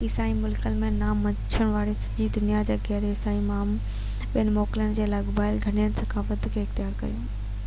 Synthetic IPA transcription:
ɪsaːimʊlkəlmẽnaːmːɐt͡ɕʰəɽ̃ʋaːɾesɐ̥d͡ʑid̪ʊnijad͡ʑeːɡɛːɾeɪsaːimaːm | ɓijənɪ̆mɔːkɪlənɪ̆d͡ʑeːlaːɡbaːɪlɡʱɐɽ̃ijəñɪsɐkʰaːfəd̪ʱɪkʰeːɪxt̪ɪjaːɾkɐ̰jũː

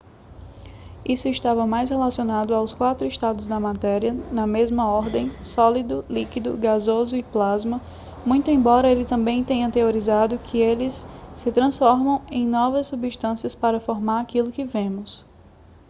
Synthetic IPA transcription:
isʊɪʃt̪avɐmajshelasionad̪ʊawskwat̪ɾʊɪʃt̪ad̪ʊzd̪ɐmat̪ɛɾiɐnɐmezmɐɔɾd̪ẽj̃sɔlid̪ʊlikid̪ʊ̰ɡazozʊɪplazmɐ | mũj̃t̪ʊẽbɔɾɐelɪt̪ɐ̃bẽj̃t̪ẽɲɐ̃t̪eoɾizad̪ʊkʰɪelɪsːɪt̪ɾɐ̃sfɔɾmɐ̃w̃ẽj̃nɔvɐsːubiʃt̪ɐ̃siɐspaɾɐfoɾmaɾakilʊkɪvẽmʊs

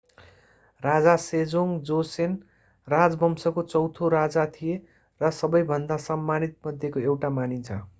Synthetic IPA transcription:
rad͡zased͡zoŋd͡zosen | rad͡zbʌmsʌkot͡sʌwt̪ʰoɾad͡zat̪ʰije | rʌsʌbʌjbʱʌnd̪asʌmːanit̪̚mʌd̪ʱjekoewʈamanit͡sʰʌ

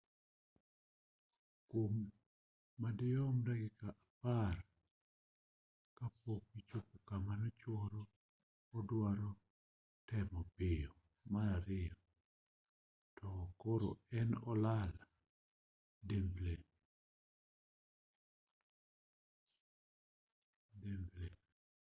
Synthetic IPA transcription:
komː | adɪɔmɾɛɡɪkaʔapar | kapokwit͡ʃokokamanɔt͡ʃɔɾɔː | dwaɾɔ | tɛmɔpɪjɔ | maɾaɾɪjɔ | tɔkoɾo̰ɛnɔlala | demble | demble

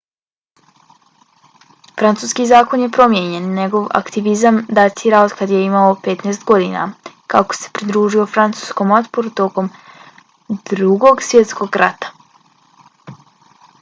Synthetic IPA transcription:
fɾant̪suːskizaːko̞nje̞pɾo̞mjeɲe̞nɲe̞ɡo̞ʋa̰kt̪iʋizamd̪at̪iɾaod̪kad̪je̞imaope̞t̪nɛːst̪ɡo̞d̪ḭna̰ | kako̥se̞̥pɾid̪ɾuːʒio̞fɾant̪su̥ːsko̞mo̞t̪poɾut̪o̞ko̞m | d̪ɾuɡo̞ɡsʋje̞t̪sko̞ɡɾat̪ḁ

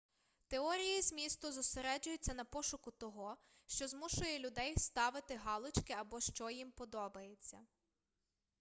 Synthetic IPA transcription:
t̪eɔɾʲijizmʲist̪ʊzʊseɾɛd͡ʒʊjʊt͡sʲːɐnɐpɔʃʊkʊt̪ɔɦɔ | ʃt͡ʃɔzmuʃʊjɛlʲʊd̪ɛjst̪ɑʋɪt̪ɪɦɑlˠɪt͡ʃkɪɐbɔʃt͡ʃɔjimpɔd̪ɔbɐjet͡sʲːɐ

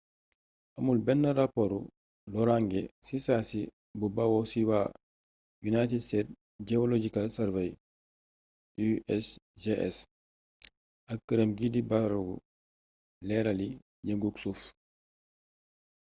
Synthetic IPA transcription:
ʔɐmulbɛnːɐɾapoɾu | lɔɾaŋɡesisaːsi | bubawɔsiwa | junajtidstɛːt̚ | ɟɛolod͡ʒikalsɛɾvɛj | uɛsd͡ʒeʔɛ̰s | ɐkːəɾəmɡidibaɾuɡṵ | lɛɾali | ɲəŋɡuksuf

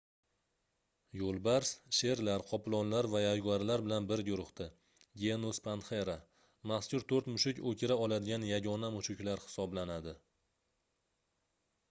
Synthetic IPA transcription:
jolˠbaɾsʃe̞ɾlaɾqʰɒplˠɒnlaɾvajajɡaɾlaɾbɪlanbɪɾɡʲʊɾʊχt̪ɪ | ɡʲe̞nuspʰant̪χeɾa | maχskʲʊɾt̪ʰoɾt̪mʊʃɪkʲokʲʰɪɾaɒlad̪ɪɡʲanjaɡʲɒnamʊʃɪkʲlaɾhɪ̥sɒblanad̪ɪ

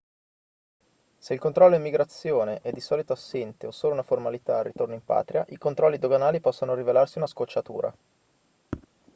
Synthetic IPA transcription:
seilkont̪ɾɔlːoimːiɡɾat̪sːjoːneʔɛd̪ːisɔːlit̪oasːɛnt̪eosoːlounaformalit̪aːrːit̪ornoimpa̰ːt̪ɾiaʔikont̪ɾɔlːid̪oɡanaːlipɔsːonoɾivelarsiunaskot͡ʃːat̪ṵːɾʔa̰

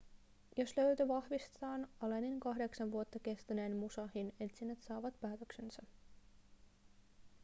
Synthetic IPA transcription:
jo̞slø̞ɥt̪øʋɑhʋist̪t̪ɑːnɑleniŋkɑɦde̞ksɑnʋuot̪ːɑke̞st̪yneːnmusɑhine̞t̪sinːet̪sɑːʋɑt̪pæːt̪ø̞ksensɑ

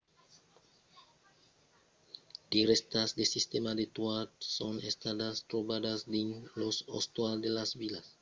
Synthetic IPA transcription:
d̪̥iɾɛst̪asd̪esist̪emad̪et̪wadsõnest̪ad̪ast̪ɾobad̪asd̪ẽnloso̰st̪wald̪elasbilas

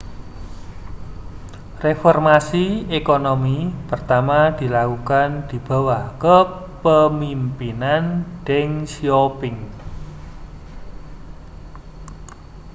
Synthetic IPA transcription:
refɔrmasiekonomipərt̪amad̪̥i̤lakukand̪̥i̤b̥a̤wahkə | pəmimpinanɖ̥ɛŋsiopɪŋ

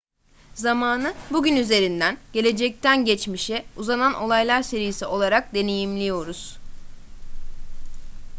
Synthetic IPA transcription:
zamaːnɯbuɟʲynyze̞ɾind̪ænɟe̞lʲe̞d͡ʒɛc̚t̪ʰænɟɛt͡ʃmiʃiuzanano̞lˠajlˠaɾse̞ɾijisiʔo̞lˠaɾak̚d̪e̞ne̞jimlʲijo̞ɾuz̥

